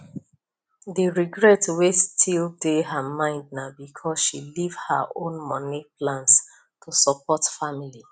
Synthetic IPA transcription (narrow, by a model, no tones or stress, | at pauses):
ðiɹiɡɹɛtwestʰildeɦamãɪ̃nd̚nabikʰɔsʃilivha̰ʔõnmɔniplãns | tʰusɔp̚ʰɔtfamili